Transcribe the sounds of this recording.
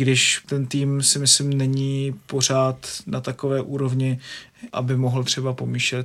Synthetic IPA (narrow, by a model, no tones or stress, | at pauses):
ɡdɪʃt̪ɛnt̪iːmsɪmɪslɪmnɛɲiːpo̞r̝aːt̪nat̪ako̞vɛːʔuːɾo̞vɲɪʔa̰bɪmo̞ɦl̩t̪r̝̥ɛbapo̞miːʃlɛt̪